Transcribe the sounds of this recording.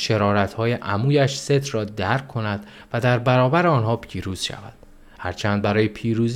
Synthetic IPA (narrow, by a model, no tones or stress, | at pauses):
ʃe̞ɾɒːɾæt̪hɒːje̞ʔæmuːjæʃse̞t̪ʰrɒːd̪æɾkʰːo̞næd̪̥ | væd̪æɾbæɾɒːbæɾeɒːnhɒːpʰiːɾuːz̥ʃæ̰væ̰d̪̥̚ | hæɾt͡ʃʰæːnd̪̚bæɾɒːjepʰiːɾuːz